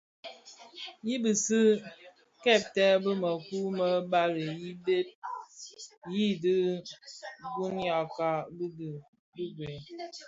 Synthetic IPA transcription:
ji˦bɨ˨sɨ˦ | kɛ˦˨p̚tɛ˦bə˦mə˨ku˦mə˦ba˦ɾə˨ji˦be˦p̚ | ji˦dɨ˦ | ɡu˦nja˨ka˨b | bi˦ɡe˨

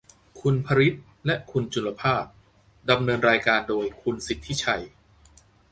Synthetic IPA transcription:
kʰu˧npʰa˧ɾi˦˥t̪̚ | lɛ˦˥ʔkʰu˧nt͡ɕʰu˧lːa˧pʰaː˥˩p̚ | da˧mnɤː˧nɾaː˧jkaː˧ndoː˧jkʰu˧nsi˨˩t̪ʰːi˦˥˩t͡ɕʰa˧j

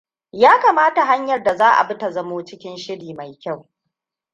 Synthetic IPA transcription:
jaː˦kaː˨maː˦ta˨ɦa˦ɲjɐ˨rda˨zaː˦ʔa̰˨bɪ˦ta˨zɐ˦moː˦t͡ʃɪ˦kʲɪ˦nʃɪ˦ɽiː˨ma˨jkʲa˦˨w

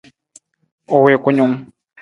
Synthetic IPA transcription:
o˨we˨ku˦ɲu˦m˦

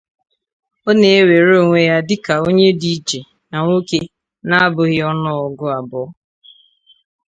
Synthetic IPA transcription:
o˦ne˨e˦we˨ɾo˦˨ŋʷe˦ja˦dɪ˦ka˨o˦ɲe˦di˦d͡ʒe˨ | na˨ŋʷo˦ke˦ | na˦a˦bʊ˨ɣɪ˦ɔ˦nɔ˦ɔ˨ɡʊ˦a˨bɔ˨ɔ˦

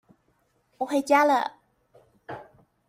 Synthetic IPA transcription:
wɔ˨˩xwe˥˩ɪt͡ɕja˥lə̰˨

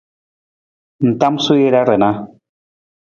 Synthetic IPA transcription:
n̩˨t̪a˦msu˦je˦ɾa˦ɾɛ˨na˦

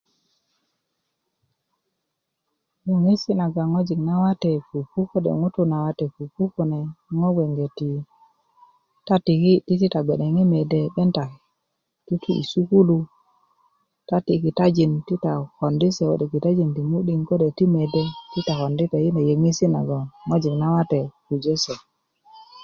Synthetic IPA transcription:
jo˨ŋi˦si˦na˨ɡa˨ŋo˦d͡ʒi˨ŋna˦wa˦te˨fu˨pu˦ko˦dḛ˨ŋu˦tu˦na˨wa˦te˨fu˨pu˦ku˦ne˨ŋo˦ɡe˨ŋɡe˨ti˨ | ta˦ti˨ki˦ti˦ti˦ta˨ɡ͡be˨ne˨ŋi˦me˨de˨ɓe˦nta˨ | ti˦tu˦ḭ˨su˦ku˦lu˦ | ta˦ti˨ki˨ta˦d͡ʒi˨nti˦ta˨ko˨ndi˦se˨o̰˦˨de˨ki˨ta˦d͡ʒi˨nti˨mu˦ɗi˦ŋko˦de˨ti˦me˨de˦ti˦ta˨ko˨ndi˦te˨ji˦ne˨je˨ŋi˦si˦na̰˨ɡa˨ŋo˦d͡ʒi˨kna˦wa˦te˨ku˨d͡ʒe˦se˨

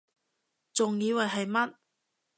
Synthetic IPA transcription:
t͡sʊ˨ŋjiː˨˧wɐ˨˩ɦɐ˨jmɐ˥t̚

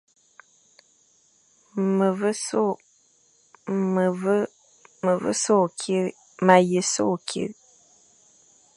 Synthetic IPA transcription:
mə˨və˦so˦˨ | mə˨və˦ | mə˨və̰˦so˦˨kʰi˦ | ma˨jə˨so˦˨kʰḭ˦˨ɾ

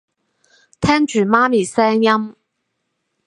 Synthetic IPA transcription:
t̪ʰɛː˥ŋt͡ʃyː˨˩maː˥miː˨˩sɛː˥ŋjɐ˥m

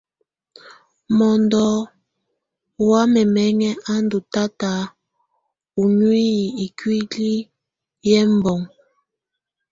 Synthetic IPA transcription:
mɔ˨ndɔ˨˦˨ | wa˦mɛ˨mɛ˦ŋɛ˦ʔa˦ndu˨ta˦ta˨˦ | u˨ɲwi˦˨i˨kwi˦li˦ | jɛ˦m˨bɔ˨ŋ

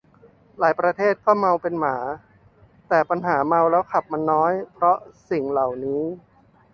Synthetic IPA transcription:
laː˩˦jpɾa˧t̪ʰeː˥˩t̪̚kɔː˥˩ma˧wpe˧nmaː˩˦ | t̪ɛː˨˩pa˧nɦaː˩˦ma˧wlɛː˦˥wkʰa˨˩p̚ma˧nːɔː˦˥jpʰɾɔ˦˥ʔsi˨˩ŋla˨˩wniː˦˥

